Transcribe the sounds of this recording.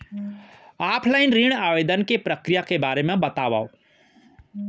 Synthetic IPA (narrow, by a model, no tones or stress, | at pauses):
aːpʰlaːɪnɾiːɽ̃aːʋeːd̪ənkepɾəkɾijakebaːɾemãbɐt̪aːʋa̰ːo